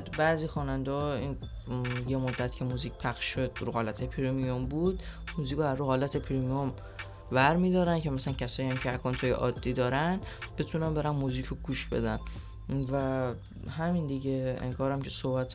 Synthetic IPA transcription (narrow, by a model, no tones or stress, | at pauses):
bæːziːxɒːnænd̪ɒːin | jemod̪ːæt̪ʰcʰe̞muːziːc̚ʰpʰæxʃʃod̪̥ɾuhɒːlæt̪ʰepʰiɾimiombuːd̪̥muːziːkʰoæɾːuhɒːlæt̪ʰepʰiɾimijom | bæɾmiːd̪ɒːɾæncʰemæsælæncʰʲæsɒːjiæmcʰeæɾkʰont̪ʰoːjḛʔɒ̰ːd̪ːiːd̪ɒːɾænb̥et̪ʰunænbe̞ɾænmuziːcʰoɡuːʃbe̞̰d̪æn | væ | hæmind̪iɟeḛŋkʰɒːɾæmcʰesohbæt̪ʰ